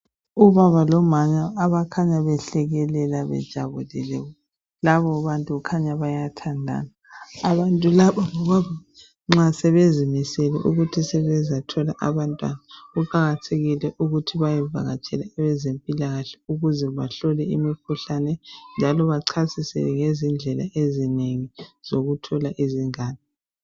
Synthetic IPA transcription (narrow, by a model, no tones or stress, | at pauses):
uβaβalɔmaɲaːβakʰaɲaβɛɬɛɣɛlɛlaβɛ̰d̥ʒ̥ʱa̰βulilɛ | laβɔβantʼukʰaɲaβajatʰandʱa̰naː | βantʼulaβaŋɔβaβa | ŋ͡ǁasɛβezimisɛlɛ̰ʔuɣutʰisɛβɛzatʰɔla̰ʔaβantʼwa̰nauǃaɣatʰeɣilɛʔuɣutʰiβajɛvʱa̰ɣat͡ʃʼʰɛlɛːβɛzempʼilaɣaɬɛ̥uɣuzɛβaɬɔlɛimikʰuɬanɛnd͡ʒʱalɔβaǀʰasisɛ̰ŋezind͡ɮʱɛla̰ʔezineŋiz̥oɣutʰɔlaʔiziŋaːni